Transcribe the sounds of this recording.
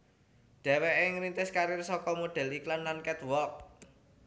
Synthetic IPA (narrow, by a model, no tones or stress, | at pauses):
ɖ̪̥ɛ̤wɛʔeŋɾint̪ɪskaɾɪrsɔkɔmoɖ̪̥ɛ̤liklanlankɛt̪wɔk̚